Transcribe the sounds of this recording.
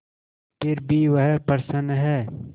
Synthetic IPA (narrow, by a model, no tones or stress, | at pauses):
pɪɾbʱiːʋɐɦpɐɾsənɦɛː